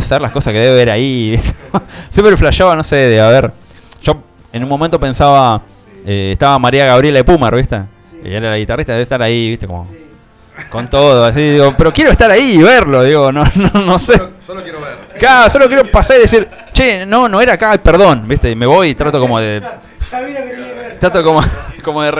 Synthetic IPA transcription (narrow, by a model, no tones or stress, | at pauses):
seɾlako̞sakeðeβeβeɾaiβit̪e̥sjempɾeflaʃaβano̞seðeaβeɾ | ʒ̥o̞ | enumːomẽnt̪ope̞nsaβa | eeht̪aβamaɾiaɣaβɾjelaepumaɾβiht̪ḛ | ḭeɾalaɣit̪ariht̪aðeeht̪aɾaiβiht̪eko̞̰mo̰ | ko̞nt̪oðoasiðiɣopeɾo̞kjeɾoeht̪aɾaiβeɾlo̞ðiɣo̞nononoseookjeβkaɾosolok̬jeɾopasaɾiðes̬iɾ | t͡ʃenonoeɾakajpeɾðo̞nbiht̪emeβo̞jit̪ɾat̪okomoðe | t̪ɾat̪okomokomoðer